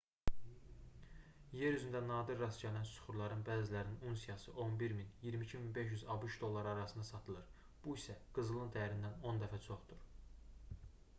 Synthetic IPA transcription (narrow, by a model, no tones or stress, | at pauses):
je̞ɾyzynd̪ænɑːd̪iɾːɑsɟænænsu̥χuɾlˠɑɾɯnbæːzilæɾininunsijɑsɯʔo̞nbiɾminjiɾmicʰiminbe̞ʃ̬jyzɑbuʃd̪o̞lˠːɑɾɑɾɑsɯnd̪ɑsɑt̪ʰɯlˠɯɾ | b̥uisæɡ̥ɯzɯlˠɯnd̪æjæɾind̪æno̞nd̪æfæt͡ʃʰo̞χd̪uɾ̥